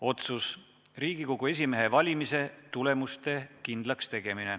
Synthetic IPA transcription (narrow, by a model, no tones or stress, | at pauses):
o̞t̪sus | riːɡ̥iko̞ɡue̞s̬ʲime̞ɦe̞vɑlʲimise̞t̪ule̞must̪e̞kind̪̥lɑkst̪e̞ɡ̥e̞mine̞